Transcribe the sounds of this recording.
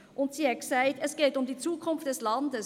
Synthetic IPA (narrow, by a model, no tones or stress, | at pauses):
ʔʊntsiɛksaɪtɛsɡ̥eːtʊmdiːt͡suːkʰʊnft̚d̥ɛslɑndəs